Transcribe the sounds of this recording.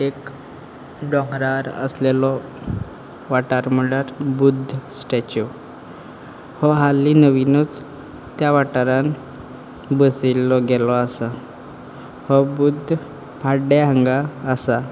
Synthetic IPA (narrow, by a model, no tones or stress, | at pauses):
ek | ɖɔŋɡɾaɾə̰slelɔ | ʋaʈaɾməɭaɾbud̪ʱsʈet͡ɕu | hɔɦalːinəʋinɔt͡s | t̪jaʋaʈaɾãn | bəsilːɔɡɛlɔasa | hɔbud̪ʱː | pʰaɖeɦəŋɡaːsa